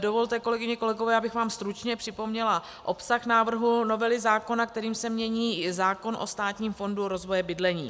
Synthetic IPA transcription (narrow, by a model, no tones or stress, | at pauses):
dovo̞lt̪ɛko̞lɛɡɪɲɛko̞lɛɡo̞vɛːabɪxvaːmst̪ɾut͡ʃɲɛpr̝̥ɪpo̞mɲɛla | ʔo̞psaxnaːvr̩ɦuno̞vɛlɪzaːko̞nakt̪ɛɾiːmsɛmɲɛɲiːzaːko̞nʔo̞st̪aːt̪ɲiːmfo̞nduɾo̞zvo̞jɛbɪdlɛɲḭː